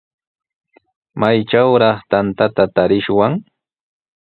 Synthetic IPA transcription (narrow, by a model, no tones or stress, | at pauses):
majt͡ʃawɾɑχt̪ant̪at̪at̪aɾɪʃwaŋ